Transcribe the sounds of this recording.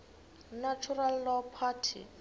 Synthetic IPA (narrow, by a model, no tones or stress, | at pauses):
nat͡ʃʰuralːɔpʰatʰḭ